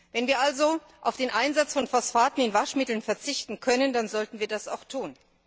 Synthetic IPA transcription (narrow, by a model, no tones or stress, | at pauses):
vɛnviːɐʔalzo | ʔaʊfd̥eːnʔaɪnzat͡sfɔnfɔsfaːtn̩ɪnvaʃmɪtl̩nfɛɐt͡sɪçtn̩kʰœnəndanzɔltn̩viːɐdasa̰ʊxtʰuːn